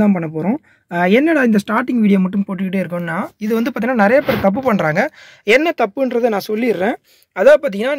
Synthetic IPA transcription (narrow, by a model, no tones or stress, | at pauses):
ãːpɐɳːɐp̬oːɾõː | ɛnːɐɽɐɪnd̪ɐsʈaːɾʈːɪŋɡʋiːɽɪjoːmɐʈːɯmpoːʈ̬ːɯkɪʈ̬ːeɪɾɯk̬ːʊ̃nːaːɪðɯʋɐnd̪ɯpaːt̪iŋɐnːaːnɪɾɐjɐpːɛɾɐt̪ɐp̬ːɯpɐɳːɾaːŋɡɐ | ɛnːɐt̪ɐpːɯɛndɾɐðɯnãːsɔlːɪɪɾɾẽː | ɐðaːpaːɾt̪ɪŋɡɐnaː